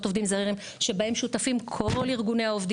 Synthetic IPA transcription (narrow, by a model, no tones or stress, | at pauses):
t̪ovd̪imzaiʁim | ʃebae̞mʃutafimkʰoliʁɡune̞aovd̪